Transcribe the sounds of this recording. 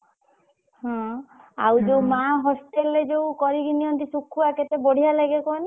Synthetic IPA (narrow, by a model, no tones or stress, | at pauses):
hɔ̃a̰wd͡ʒowmaɦɔsʈeled͡ʒowkɔɾiɡiniɔnt̪isukʰːuaket̪eboɽ̤ijaleɡekɔni